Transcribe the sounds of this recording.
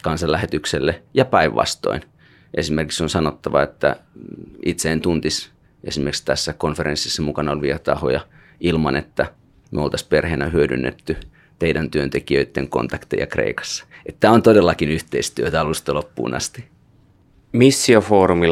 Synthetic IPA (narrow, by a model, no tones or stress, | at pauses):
kɑnsɑllæhet̪ykselːejɑpæiʋʋɑ̰st̪o̞̰in | ʔesimerkiksonsɑnot̪ːɑʋɑ̰et̪ːæ̰ | it̪seːnt̪unt̪is | ḛsimerkst̪æsːækonfeɾensːisːɑmukɑnɑolʋiæt̪ɑho̰jɑ | ilmɑnet̪ːæ | myolt̪ɑsperheːnæhyødy̰nːḛt̪ːy | t̪eidænt̪yønt̪ekiøit̪ːeŋko̰nt̪ɑkt̪ḛjɑ̰krḛikɑ̥sːɑ̥et̪ːæont̪odelːɑkinyht̪eist̪yøt̪æɑlust̪ɑlopːṵːnʔɑ̰st̪i | misːiofoːɾumi